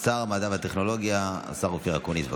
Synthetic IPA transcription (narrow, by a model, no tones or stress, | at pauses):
saʁmad̪avat̪eχno̞lo̞ɡjaa̰saʁufiʁakonitba